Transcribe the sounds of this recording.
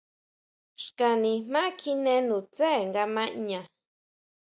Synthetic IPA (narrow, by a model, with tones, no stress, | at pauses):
ʃka˧nĩ˧mã˦kʰi˧nẽ˧nũ˨t͡se˦˨ŋɡa˧mã˦ʔɲã˨